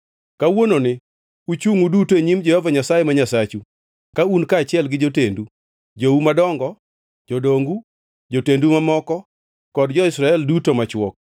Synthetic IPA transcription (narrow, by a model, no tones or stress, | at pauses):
kawononɪ | ut͡ʃuŋudutoeɲimd͡ʒɛhɔvaɲasajɛmaɲasat͡ʃu | kaunkaːt͡ʃɪɛlɡɪd͡ʒotendu | d͡ʒoumadɔŋɡɔ | d͡ʒodoŋɡu | d͡ʒotendumamɔkɔ | kɔdd͡ʒɔɪsɾaɛldutomat͡ʃwɔk̚